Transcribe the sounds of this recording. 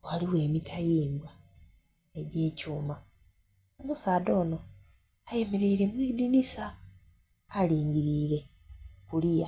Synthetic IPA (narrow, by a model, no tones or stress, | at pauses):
waliwe̞ːmitʰajiːmbwa | eɟe̞ːcuːma | omusaːdo̞ːno̞ | aje̞me̞ɾe̞iɾe̞mwiːdinisaː | liːɲɡiɾiːɾe̞ | kulija